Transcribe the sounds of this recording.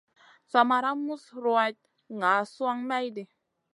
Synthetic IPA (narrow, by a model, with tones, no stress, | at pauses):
sa˨ma˧ɾa˦mu˦sɾo˨a˧t̪̚ | ŋa˨˦su˦a˦ŋma˦jd̪i˨